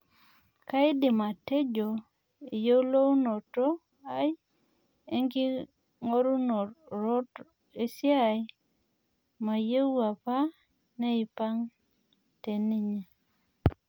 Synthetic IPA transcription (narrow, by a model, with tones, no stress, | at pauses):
ka˦ɪ˦dɪ˨ma˨te˦d͡ʒo˨ | e˨je˦lo˦wno˨to˦ | a˦j | e˦ŋɡɪ˦ | ŋo˦ɾu˦no˨ɾo˦t | e˨sja˨j | ma˨je˦u˦a˨pa˦ | nɛ˦ɪ˨pa˦ŋ | te˨ni˦ɲe˨